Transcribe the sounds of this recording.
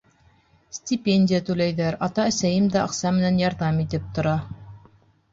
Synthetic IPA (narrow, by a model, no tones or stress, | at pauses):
sʲt̪ʲɪpʲenʲdʲɪjət̪ʉlæjðæɾɑt̪ɑæsæjɘmd̪æɑqsɑmɘ̆nænjɑɾðɑmit̪ɘp̚t̪ŏɾɑ